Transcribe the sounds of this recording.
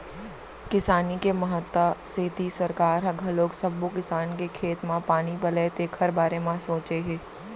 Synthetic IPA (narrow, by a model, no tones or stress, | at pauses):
kɪsaːnikemɐɦət̪ːaseːt̪isɐɾkaːɾɦɐɡʱɐloːksɐbːokɪsaːnkekʰeːt̪mãpaːnibɐleːt̪eːkhɐɾbaːɾemãsoːt͡ʃeɦeː